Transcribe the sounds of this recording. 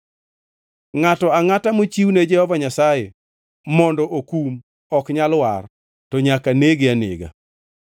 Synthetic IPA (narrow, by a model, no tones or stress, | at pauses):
ŋatɔaŋatamot͡ʃiwned͡ʒɛhɔvaɲasaje | mɔndɔʔokum | ɔkɲalwar | tɔɲakaneɡeanḛɡa̰